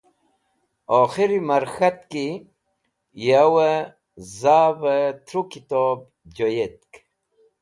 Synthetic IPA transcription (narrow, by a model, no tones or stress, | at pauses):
oːxiɾimɐɾxɐt̪ki | jawə | zaːvət̪ʰɾukit̪oːb̚ | d͡ʑojet̪̚k